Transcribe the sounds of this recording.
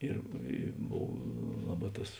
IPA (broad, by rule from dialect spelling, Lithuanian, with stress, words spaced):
ˈɪr ɪ ˈboːw ˈlˠɑːˌbɑː ˈtɐs